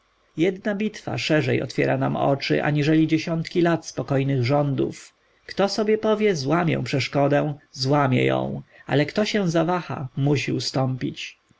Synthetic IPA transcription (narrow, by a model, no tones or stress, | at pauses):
jɛd̪nabʲit̪fa̰ʂɛʐɛjɔ̰t̪fʲjɛɾanamɔ̰t͡ʂɘ̰ʔa̰ɲiʐɛlʲid͡ʑeɕɔnt̪kʲilat̪spɔkɔjnɘɣʐɔnd̪ṵf | kt̪ɔsɔbʲjɛpɔvʲjɛzwamʲjɛ̰w̃pʂɛʂkɔd̪ɛw̃zwamʲjɛ̰jɔ̰̃w̃a̰lɛkt̪ɔɕɛ̃w̃zavaxa̰muɕiust̪ɔmpʲit͡ɕ